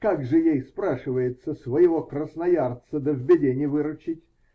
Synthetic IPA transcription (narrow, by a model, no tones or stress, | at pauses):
kaɡʐɨjejspɾaʂɨvəjɪt̪səsvəjɪvokrəsnɐjart̪səd̪əvʲbʲɪdʲenʲɪjəvɨɾʊt͡ɕɪtʲ